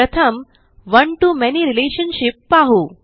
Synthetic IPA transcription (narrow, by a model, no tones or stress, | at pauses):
ət̪ʰəm | ʋəɳʈumɛniɾileɕənɕipːaɦu